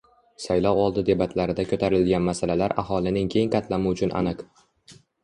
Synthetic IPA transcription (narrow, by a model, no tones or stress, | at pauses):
sajlɒwɒlˠd̪ɪd̪e̞bat̪ʰlaɾɪd̪akʰʲɵt̪ʰaɾɪlɡʲanmasalalaɾa̰ɦɒlˠɪnɪŋkʲʰe̞jŋqɑt̪ʰlamɪʊt͡ʃʰʊnʔa̰nɨq